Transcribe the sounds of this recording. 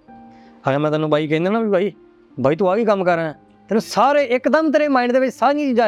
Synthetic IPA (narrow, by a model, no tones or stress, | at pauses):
əɡəmɛ̃ːt̪aːnũːbaːiːkɛ̃ːnd̪aːnãːbibʱaːiː | bʱaːiːt̪̬õːaːɡiːkəmkəɾãː | t̪ɛːnũːsaːɾeːʔɪkd̪əmt̪əɾeːmaːiːnd̪eːʋɪt͡ʃsaːɾĩːt͡ʃid͡ʒaː